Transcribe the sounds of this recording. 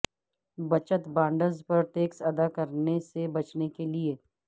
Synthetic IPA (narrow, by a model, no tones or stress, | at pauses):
bɐt͡ʃət̪bãːɳɖəɾzpɐɾʈeːksɐd̪akɐɾnesebɐt͡ʃnekelieː